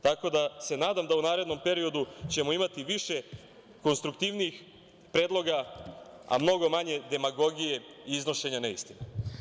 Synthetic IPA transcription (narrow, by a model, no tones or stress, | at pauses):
t̪ako̞d̪ase̞naːd̪amd̪aunaːɾe̞d̪no̞mpe̞ɾio̞d̪ut͡ɕe̞mo̞imat̪iʋiʃe̞ | ko̞nst̪ɾukt̪iʋniix | pɾe̞ːd̪lˠo̞ɡa | a̰mno̞ɡo̞maɲe̞d̪e̞maɡo̞ɡije̞ | iizno̞ʃe̞ɲaneḭst̪ino